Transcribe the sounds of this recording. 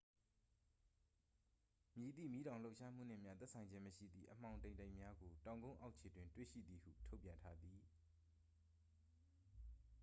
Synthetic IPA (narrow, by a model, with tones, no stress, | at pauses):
mji˨d̪ḭ˦˨mi˦ɾã˨ʊ̃lo˦ʊʔʃa˦m̥ṵ˦˨n̥ɪ̰̃˦˨m̥ja˦t̪ɛ˦ʔsʰã˨ɪ̃ɲd͡ʑɪ̃˦məʃḭ˦˨d̪ðḭ˦˨ʔəm̥ã˨ʊ̃ntẽ˨ɪ̃nta˦ɪʔmja˦ɡo˨tã˨ʊ̃ŋɡõ˦ʊ̃ʔa˦ʊʔt͡ɕʰe˨dwɪ̃˨ntwḛ˦˨ʃḭ˦˨d̪ði˨hṵ˦˨tʰo˦ʊpjã˨ntʰa˦d̪ði˨